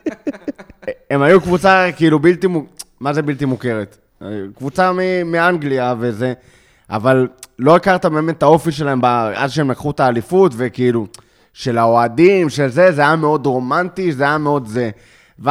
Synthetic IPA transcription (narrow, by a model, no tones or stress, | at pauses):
emajukvut͡sakiilubilt̪imumaze̞bilt̪imuke̞ʁet̪ | kvut͡samimiaŋɡliave̞ze̞ | ʔa̰vallːo̞ikaʁt̪abe̞ːme̞t̪ːao̞fiʃe̞laɦe̞mbaʔa̰dʃeemlakχutaːlifutve̞kiilu | ʃe̞lao̞adimʃe̞lze̞zeajame̞o̞d̪ʁo̞mant̪izeajame̞o̞d̪ze̞ | ve